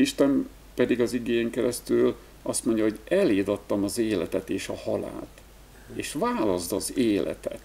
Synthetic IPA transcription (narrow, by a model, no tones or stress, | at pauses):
iʃt̪ɛm | pɛd̪iɡɒziɡeːjɛŋkɛɾɛst̪yl | ɒst̪mo̞ɲɟɒɦo̞ɟɛleːd̪ɒt̪ːɒmɒzeːlɛt̪ɛt̪eːʃɒhɒla̰ːt̪ | eːʃvaːlɒzd̪ɒzeːlʔɛ̰t̪ɛ̰t̪